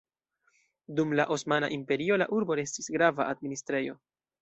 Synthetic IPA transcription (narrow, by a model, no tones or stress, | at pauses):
dumlaʔo̞smana̰ʔimpe̞ɾio̞la̰ʔuɾbo̞ɾe̞stisɡɾavaʔad̚ministɾe̞jo̞